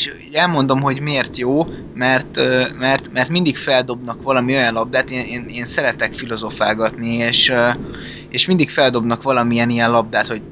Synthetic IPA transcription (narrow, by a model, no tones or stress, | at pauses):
ʃ | ɛlmo̞nd̪o̞mɦo̞ɟmieːrt̪joː | mɛrt̪ømɛrt̪mɛrt̪mind̪ikfɛld̪o̞bnɒkʋɒlɒmio̞jɒnlɒb̚d̪aːt̪eneːneːnsɛɾɛt̪ɛkfilo̞zo̞faːɡɒt̪nieːʃø | eːʃmind̪ikfɛld̪o̞bnɒkʋɒlɒmijɛnijɛnlɒb̚d̪aːt̪ho̞ɟ